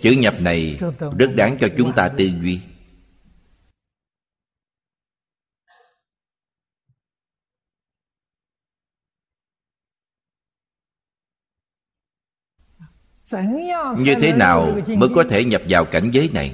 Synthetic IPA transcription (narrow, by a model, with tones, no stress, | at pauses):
t͡ɕɨ̰˧˨˩ɲə˨˩p̚na˨˩jzə˦˥t̚ɗaː˨˦ŋt͡ɕɔ˧t͡ɕʊ˨˦ŋ͡mt̪aː˧t̪ɨ˧zwi˧ | ɲɨ˧t̪ʰe˨˦naː˨˩wməː˨˦jkɔ˨˦t̪ʰe˧˩ɲə˨˩p̚vaː˨˩wka˧˩jŋ̟zəː˨˦jna̰˨˩j